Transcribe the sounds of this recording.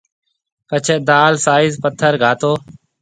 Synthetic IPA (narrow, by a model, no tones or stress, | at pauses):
pət͡ʃʰed̪aːlsaːɪzpət̪ʰːəɾɡʱaːt̪oː